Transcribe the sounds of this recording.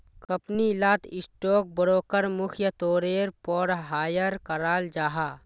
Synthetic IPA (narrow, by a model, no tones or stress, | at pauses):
kəpnilaːt̪ɪsʈoːk̚bəɾoːkəɾmʊkʰjət̪oːɾeːɾpɔːɽɦaːjəɾkɐɾaːld͡ʒaːɦaː